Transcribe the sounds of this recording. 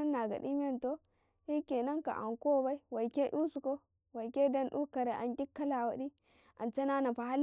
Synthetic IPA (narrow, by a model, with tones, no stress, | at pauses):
nːa˨ɡa̰˨di˦m˦e˦nto˦ | i˦ke˨na˦ŋka̰˨ʔa̰˨ŋko˦˨˦ba˦i˦wa˨jke˦ʔu˦su˨ko˦ | wa˨ke˦da˦nɗu˦ka˨ɾe˨ʔa̰˨nɡi˦kːa˦la˨wa˨di˦ | a̰˨nt͡ʃa˦na˦na˨pa˨ha˦l